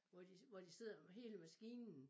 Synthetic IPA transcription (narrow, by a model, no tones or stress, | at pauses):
ʋɒd̥iʋɒd̥ise̝ð̰ˠɐɦe̝ːləmæsɡ̥iːnn̩